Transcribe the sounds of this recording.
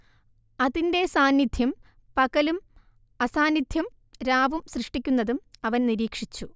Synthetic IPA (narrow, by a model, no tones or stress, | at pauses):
ɐðinde̞saːnjid̪ʱjɐm | pɐɣɐlum | ɐsaːnid̪ʱjɐm | ɾaːʋumsrɨʂʈikʲːunːɐðumɐʋɐnniɾiːkʂit͡ɕːu